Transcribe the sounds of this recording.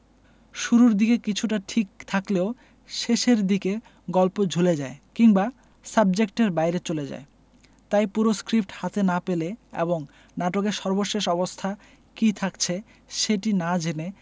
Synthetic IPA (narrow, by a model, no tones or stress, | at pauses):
ʃuɾuɾd̪ikekit͡ɕʰuʈaʈʰikt̪ʰakleo | ʃeʃeɾd̪ike | ɡɔlpod͡ʑʱuled͡ʑaekiŋba | sab̚d͡ʑek̚ʈeɾbajɾet͡ɕoled͡ʑa̰e | t̪ajpuɾoskɾip̚ʈhat̪enapeleḛboŋ | naʈokeɾʃɔɾboʃeʃɔbost̪ʰa | kit̪ʰakt͡ɕʰe | ʃeʈinad͡ʑene